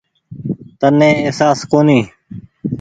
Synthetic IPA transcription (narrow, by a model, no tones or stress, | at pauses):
t̪ənːẽːeɦsaːskoːniː